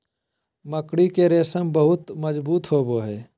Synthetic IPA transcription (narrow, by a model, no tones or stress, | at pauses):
məkɽikeɾeːsəmbəɦʊt̪məd͡ʒbuːt̪ɦoːboɦɛː